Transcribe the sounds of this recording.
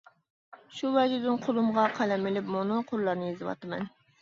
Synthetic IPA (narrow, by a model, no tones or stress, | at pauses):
ʃuwɛd͡ʒɪd̪ɪnqʰolˠumʁɑqʰælɛmɪlɪpmonʊqʰʊɾlˠɑɾnɨjezɨwɑ̰t̪ɨmɛ̰n